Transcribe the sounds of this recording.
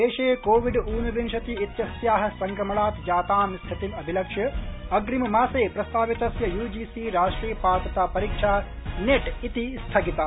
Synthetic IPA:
eːʃeːkoːʋiɖuːnubiŋʃɐt̪iːt̪jɐsjaːɦɐ̆sɐŋkɾɐmɐɭaːt̪d͡ʒaːt̪aːmst̪ʰit̪inɐbʱilɐkʂjɐɐɡɾimɐmaːseːpɾɐst̪ʰaːʋit̪ɐsjɐjuːd͡ʒiːsiːɾaːʂʈɾiːpaːpɐt̪aːpɐɾiːkʂaː | neʈit̪ist̪ʰɐkit̪a

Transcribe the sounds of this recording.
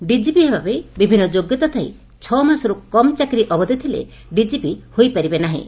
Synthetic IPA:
ɖid͡ʒipiɦebabebibʱinːɔd͡ʒoɡjɔt̪at̪ʰaḭ | t͡ʃʰɔmasɔɾukɔmt͡ʃakɾiʔɔbɔd̪it̪ʰilḛ | ɖid͡ʒipihojpaɾibenaɦḭ̃

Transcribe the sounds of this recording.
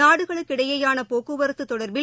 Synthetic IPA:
aːɽɯɣɐɭɯkːɪɽɐjɐjaːnɐpoːkɯʋɐɾɯt̪ːɯt̪ːɔɽɐɾbɪl

